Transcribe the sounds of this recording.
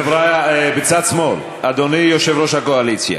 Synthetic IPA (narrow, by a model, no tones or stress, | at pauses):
evɾabet͡sat̪smo̞l | ad̪onijoʃevɾoʃhakoalit͡sja̰